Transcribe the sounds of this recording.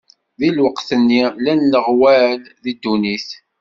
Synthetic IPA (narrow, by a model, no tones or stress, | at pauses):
ðilwəqθənːilænːəʁwælðid̪ːuniθ